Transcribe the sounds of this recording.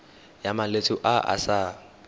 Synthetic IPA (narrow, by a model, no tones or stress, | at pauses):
jamalet͡sʰʊʔaʔa̰sa